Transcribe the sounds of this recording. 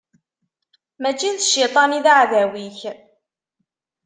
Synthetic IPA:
mæt͡ʃːiðəʃːit̪ˤɑniðaʕðæwiç

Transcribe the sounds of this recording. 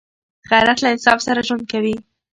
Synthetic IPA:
ɣajɾat̪laɪnsɑfsaɾaʒwand̪̚kawi

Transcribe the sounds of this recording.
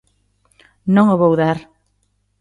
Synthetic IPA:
nõŋoβowðaɾ

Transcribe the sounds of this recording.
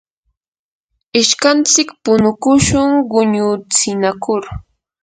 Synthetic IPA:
ɪʃkant͡sɪkpʊnʊkʊʃʊŋɢʊɲʊt͡sɪnakʊɾ

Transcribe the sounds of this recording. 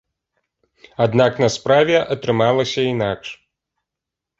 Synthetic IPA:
ad̪naknɐspɾavʲɛʔɐt̪ɾɨmalˠɐsʲɐin̪akʂ

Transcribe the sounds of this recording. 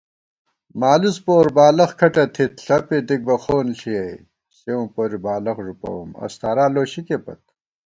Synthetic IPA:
maːluspoːɾbaːlɐχkʰɐʈɐt̪ʰit̪ɬɐped̪ik̚bɐxoːnɬiɐj | seũːpoːɾibaːlɐχʐupɐ̰wṵmɐ̰st̪ʰaːɾaːloːɕikepɐ̰t̪̚

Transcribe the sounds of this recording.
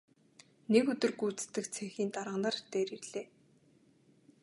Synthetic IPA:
nekɵt̪ɵ̆rɡujt͡st̪ɘ̆kt͡sʰeŋxiːnt̪aɾə̆nə̆rt̪eːɾirɮ̥eː

